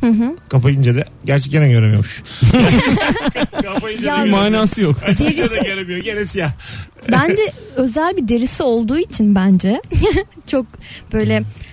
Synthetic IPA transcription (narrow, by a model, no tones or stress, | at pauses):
hɯ̃ɦɯkʰapajind͡ʒed̪ɛ | ɟæɾt͡ʃʰɛc̚t̪enænɟøɾemijomuʃ | kʰapajind͡ʒjamaːnaːsɯjoked͡ʒiɛd̪ɛjeɾemijoɟenesija | bænd͡ʒɛø̞zælʲbid̪e̞ɾisio̞lˠd̪uːit͡ʃʰinbænd͡ʒɛ | t͡ʃʰo̞k̚b̥ø̞jlʲɛ